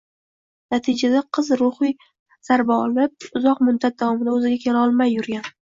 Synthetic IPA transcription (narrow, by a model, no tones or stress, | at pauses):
nat̪ʰɪd͡ʒad̪aqʰɨzɾʊχɨj | z̥aɾbaɒlɪp̚ʊzɒqmʊd̪at̪̚d̪avɒmɪd̪aɵzɪɡʲakʲʰeɾaɒlˠmajːʊɾɡʲan